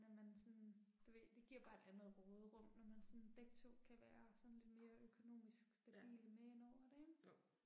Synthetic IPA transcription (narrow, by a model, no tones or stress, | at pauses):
nɒmænsɒ̽nd̥eʋed̥e̝ɡ̥iɐ̰b̥ɑ̈e̝d̥ænð̩ˠʁɔːð̞ˠʁɔ̽m̰nɒmænsɒ̽nd̥eɡ̥̚t͡sʰo̝̰kʰæʋæːɐsɒ̽nle̝d̥me̝ːɐʔøkʰo̝no̝̰ːmisɡ̥sd̥æb̥ḭːləmeenɒʊ̰ɐd̥eŋ